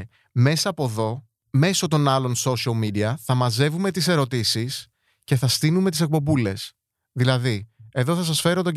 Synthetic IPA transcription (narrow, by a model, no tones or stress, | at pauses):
mesɐːpo̞ðo̞ | me̞so̞t̪o̞nɐlo̞nso̞siɐlmid̪iɐθɐmɐze̞vume̞t̪ise̞ɾo̞t̪isis | ce̞θɐst̪inume̞t̪ise̞k̚po̞bule̞s | ðilɐðieðo̞θɐsɐsfe̞ɾo̞t̪o̞ɲɟ